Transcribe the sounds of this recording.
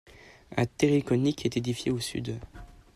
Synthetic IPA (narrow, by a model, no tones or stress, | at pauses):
a̰t̪eʁikɔnikɛt̪ed̪ifjeosy̰d̪